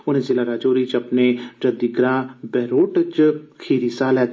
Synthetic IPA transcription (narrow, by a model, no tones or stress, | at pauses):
ʊnẽzɪlaɾad͡ʒoːɾit͡ʃɐpned͡ʒɐd̪iɡɾaːbɛɾoːʈt͡ʃkʰiːɾisaːlɛ